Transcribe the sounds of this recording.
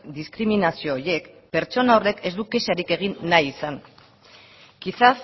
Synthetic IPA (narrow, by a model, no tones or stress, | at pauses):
d̪iskɾiminasio̞ːje̞kpe̞ɾt͡ʃo̞nawre̞ke̞zd̪uke̞saɾike̞ɣ̞inːajisan | kisas